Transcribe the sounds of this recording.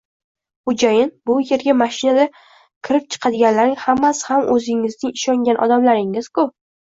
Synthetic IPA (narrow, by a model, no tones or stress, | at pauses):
χʊd͡ʒajɪnbʊje̞ɾɡʲamaʃɪnad̪a | kʲʰɪɾɪp̚t͡ʃʰɨ̥qʰɑd̪ɪɡʲanlaɾɪŋhamːashamʔɵzɪŋɪznɪŋɪʃɒŋɡʲanʔɒ̰d̪amlaɾɪŋɪz̥kʰʊ